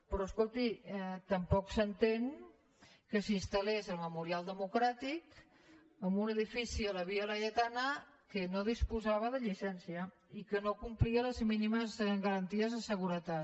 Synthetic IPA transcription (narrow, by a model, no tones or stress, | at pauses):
pɾɔəskolˠt̪iɛt̪əmpɔksənt̪eŋ | kəsinst̪əlezəlˠməmuɾialˠd̪əmukɾat̪ik | əmbunəðifisiələβiələjət̪anə | kənoð̞ispuzaβəðəʎisɛnsiə | ikənokumpliələzminiməzɣəɾənt̪iəzðəsəɣ̞uɾət̪a